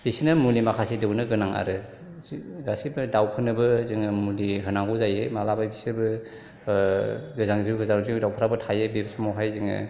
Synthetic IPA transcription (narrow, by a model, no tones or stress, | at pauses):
bisnɯmulimakʰasidɯwnɯɡɯnaŋa̰ɾɯ | ɡasibɯdawpʰɯnɯbɯzɯŋɯmuliɦɯnaŋɡuzajemalabajbisɯbɯ | ɡɯzaŋziɡɯzaŋuzidawpʰaɾabɯtʰajebebsamawɦajziŋɯ̰